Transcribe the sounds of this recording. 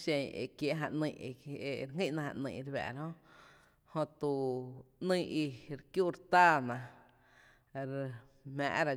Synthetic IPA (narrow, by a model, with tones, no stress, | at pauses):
ʃẽ˧˨ḛ˨kje˨ʔɦa˧ʔnĩː˧˨˧e˧˨ɾŋĩ˦ʔnã˧ha̰˧ʔnĩː˧˨ʔɾbɛ̰˨ɾhõ˦ | hõ˧t̪u˨nĩ˦˧ʔi˧ɾkju˦˨ɾt̪aː˦˨nã˨ | ɾ | m̥æ̰̃ː˨ʔɾa˧˨